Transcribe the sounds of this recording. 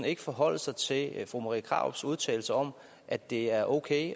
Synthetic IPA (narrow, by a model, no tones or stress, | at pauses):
n̩e̝ɡ̥əfɒ̽ɦɒ̽l̰əsɑ̈ɪt͡sʰe̝lfʁṵmɑʁḭkʰʁɑ̰̈ʊ̰b̥suð̞ˠt͡sʰɛ̰ɪl̩səɒ̽m | ʔæd̥e̝æɐʔokʰeɪ